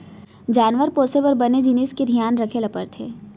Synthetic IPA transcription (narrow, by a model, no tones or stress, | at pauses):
d͡ʒaːnʋəɾpoːseʋɐɾbɐned͡ʒinisked̪ʱijaːnɾɐkʰelɐpə̰ɾt̪ʰeː